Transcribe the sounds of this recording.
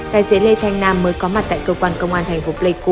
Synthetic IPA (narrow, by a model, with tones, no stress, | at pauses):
t̪aː˧˨jse˨˦le˧t̪ʰa˧jŋ̟naː˧mːəː˨˦jkɔ˨˦ma˨˩t̪a̰ː˧˨jkəː˧kwaː˧nkə˧wŋ͡mʔaː˧nt̪ʰa˨˩jŋ̟fo˨˦ple˧ku˧